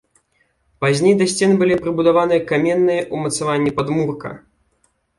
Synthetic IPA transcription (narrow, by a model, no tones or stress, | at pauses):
pazʲnʲejd̪ɐsʲt͡sʲɛnɨbɨlʲipɾɨbud̪avanɨjɐkamʲɛnːɨjɐʔumɐt̪savanʲːipad̪murkɐ̰